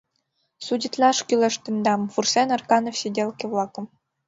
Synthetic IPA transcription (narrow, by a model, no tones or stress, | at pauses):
sudʲit̪lʲɑʂkʲylʲɘ̆ʂt̪ɘ̆nd̪ɑmfursʲenɑrkɑnofsʲedʲelˠkʲevlˠɑkɤ̆m